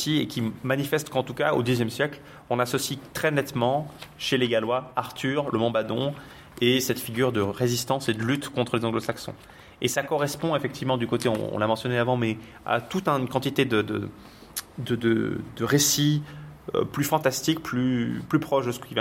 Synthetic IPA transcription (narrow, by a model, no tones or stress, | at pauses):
siekʲimanifɛst̪kɑ̃t̪ukao̰d̪izjɛmsjɛkl | ɔ̃nasɔsit̪χɛnɛt̪mɑ̃ʃeleɡalwaaʁt̪ʰyʁləmɑ̃bad̪ɔ̃ | esɛt̪fiɡʲyʁd̪əʁezist̪ɑ̃sed̪əlyt̪kɔ̃t̪χəlezɑ̃ɡlosaksɔ̰̃ | esakɔʁɛspɔ̃efɛkt̪ʰivmɑ̃d̪ykot̪eɔ̰̃ɔ̰̃lamɑ̃sjɔneavɑ̃mɛ | a̰t̪ut̪ɛ̃nkɑ̃t̪it̪ed̪əd̪ə̰ | d̪əd̪ə̰d̪əʁesiø̰plyfɑ̃t̪ast̪ikplyplypχɔʃd̪əsə̥kʲiv